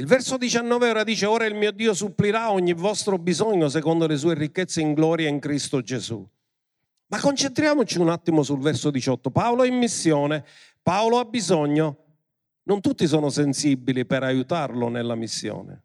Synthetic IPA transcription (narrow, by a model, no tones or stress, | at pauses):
ilvɛɾsod̪it͡ʃanːɔːveɔːɾad̪iːt͡ʃeɔːɾailmiːod̪iːosupːliɾaɔɲːivɔst̪ɾobizɔɲːos̬ɛkɔnd̪oles̬uːerikːet̪sːeiŋɡlɔːɾjaiŋkɾist̪od͡ʒezṵ | makːont͡ʃent̪ɾjaːmot͡ʃiunat̪ːimosulvɛrsod̪it͡ʃɔt̪ːopaoloimːisːjɔːne | paoloabːizɔɲːo | nʊnt̪ut̪ːis̬ɔːnʊsensibːilipɛɾajut̪arlʊnelːamisːjɔ̰ːnḛ